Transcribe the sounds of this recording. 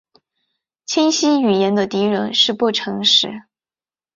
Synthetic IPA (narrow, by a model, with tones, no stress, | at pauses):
t͡ɕʰi˥nɕi˥y˨˩jɛ˧˥nd̪ə˧t̪i˧˥ɻə˧˥nʂɻ̩˥˧pu˥˩ʈ͡ʂʰɤ˧˥ŋʂɻ̩˧˩˥